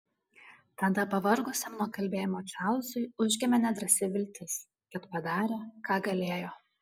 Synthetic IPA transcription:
t̪ɐd̪ɐpɐʋɐɾɡʊsʲɛmnuɔkɐlʲbʲeːjɪmoːt͡ʃʲaˑʊzʊɪʊʒʲɡʲɛmʲɛnʲɛd̪ɾɐsʲɪʋʲɪlʲt̪ʲɪs | kɐt̪pɐd̪ɑːɾʲeːkɑːɡɐlʲeːjoː

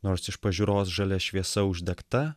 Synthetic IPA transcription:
noːɾsɪʃpɐʒʲʊɾoːsʒɐlʲɛʃʲʋʲiɛsɐʊʒʲd̪ʲɛkt̪ɐ

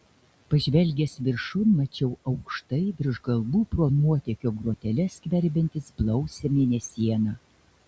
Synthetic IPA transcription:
pɐʒʲʋʲɛlʲɡʲɛsʋʲɪɾʃʊmɐt͡ʃʲɛʊɒʊkʃt̪ɐɪʋʲɪɾʒɡɐlˠbuːpɾuɔnuɔt̪ʲɛkʲoːɡɾuɔt̪ʲɛlʲɛsʲkʲʋʲɛɾʲbʲɛnʲt̪ʲɪsblˠɒʊsʲɛmʲeːnʲɛsʲiɛnɑː

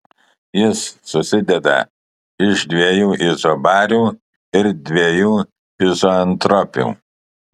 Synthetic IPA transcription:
jɪsːʊsʲɪd̪ʲɛd̪ɐ̰ | ɪʒd̪ʲʋʲiɛjuːʔɪzɔbɑːɾʲuː | ɪɾd̪ʲʋʲiɛjuː | ɪzoɐnt̪ɾɔpʲṵː

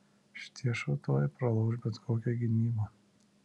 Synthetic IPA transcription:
ʃʲɪ̥t̪ʰʲiɛʃɐʊt̪oːjɛpɾɐlˠɐʊʒbʲɛt̪koːkʲɛɡʲɪnʲiːbɐː

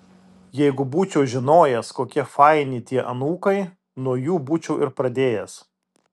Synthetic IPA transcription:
jɛɪɡʊbuːt͡ʃʲɛʊʒʲɪnoːjɛskoːkʲɛfɐɪnʲɪːt̪ʲiɛʔɐnuːkɐɪ | nuɔjuːbuːt͡ʃʲɛʊʔɪɾpɾɐd̪ʲeːjɛs

